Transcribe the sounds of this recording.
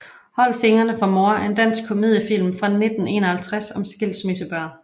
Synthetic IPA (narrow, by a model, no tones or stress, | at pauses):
hɒ̽l̰fe̝ŋɐnəfʁɑ̈mo̝ːɐend̥æn̰sɡ̥̚kʰo̝mið̰ˠjəfil̰mfʁɑ̈ne̝d̥n̩e̝̰ːnɒhælt͡sʰʁasɒ̽msɡ̥el̰smesəb̥ɶɐ̰